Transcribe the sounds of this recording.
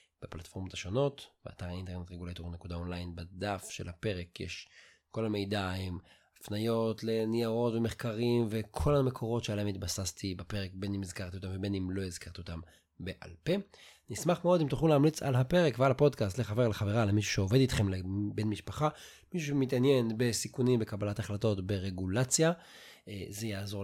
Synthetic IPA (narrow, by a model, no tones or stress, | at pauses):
b̥eplatfo̞ʁmot̪haʃo̞no̞tbea̰taʁainte̞ʁnet̪ʁeɡulajt̪unekud̪ao̞nlajnbad̪afʃelhape̞ʁekjḛʃ | kolame̞jdaim | afnajo̞tle̞niaʁo̞tveme̞χkaʁimve̞kʰo̞lhame̞kʰo̞ʁo̞tʃealahemit̪basast̪ibape̞ʁek̚be̞nimizkaʁt̪iotamvebenimlo̞ezkaʁt̪iot̪am | be̞ʔa̰lpe̞ | nismaχmeo̞d̪imt̪uχnuleːmlit͡sa̰lɦape̞ʁekvealhapo̞d̪kastleχave̞ʁleχave̞ʁalemiʃu̥ʃeove̞dit̪χe̞mlebe̞nmiʃpaχa | miʃuʃemit̪̬anje̞nbe̞sikunimbe̞kabalataχlato̞tbe̞ʁe̞ɡulat͡sja | ezejaːzo̞